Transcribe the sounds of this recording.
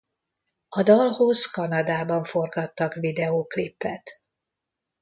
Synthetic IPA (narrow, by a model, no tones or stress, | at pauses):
ɒd̪ɒlhozkɒnɒd̪aːbɒɱfo̞rɡɒt̪ːɒkʋid̪ɛoːklipːɛt̪